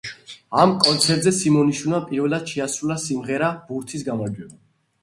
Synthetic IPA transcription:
amkʼɔnt̪sʰɛɾt̪zɛsimɔniʃunapʼiɾvɛlˠad̪̥̚ʃʰɛasulasimʁɛɾab̥uɾt̪ʰisɡamaɾd͡ʒwɛba

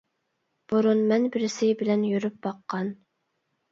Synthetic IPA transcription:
b̥uɾunmɛnbɪɾɪsɪbɪlɛnjyɾyp̚bɑqʰːɑn

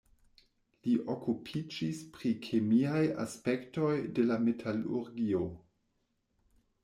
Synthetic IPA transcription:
liʔokupʰid͡ʒispɾikʰemiaja̰spe̞kto̞jde̞lametʰalṵɾɡio̞

